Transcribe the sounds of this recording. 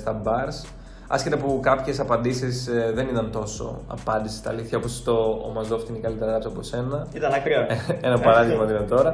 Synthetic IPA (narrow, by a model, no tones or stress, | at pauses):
st̪ɐmbɐɾs | ɐ̰sce̞t̪ɐpukɐpçe̞sɐpɐnd̪isisðe̞nit̪ɐnt̪o̞so̞̰ɐ̰pɐnd̪ise̥st̪ɐ̰liθçɐo̞po̞sɐ̥ft̪oo̰mɐzðoft̪ineikɐlit̪eɾɐɣɐpsɐopose̞nɐit̪ɐnɐkɾioenɐpɐɾɐðiɣmɐinɐnt̪o̞ɾɐ